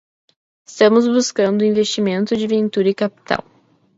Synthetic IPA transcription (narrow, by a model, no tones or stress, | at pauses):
ɪst̪ɐ̃mʊzbuskɐ̃nd̪ʊĩvest͡ʃimẽnt̪ʊd͡ʒɪvẽnt̪uɾɐɪkapi̥t̪a̰w